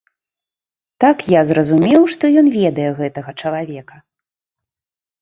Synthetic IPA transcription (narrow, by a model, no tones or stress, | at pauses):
t̪akjazɾɐzumʲɛwʂt̪ɔjɔnvʲɛd̪ɐjɛɣɛt̪ɐɣɐt͡ʂɐlˠavʲɛkɐ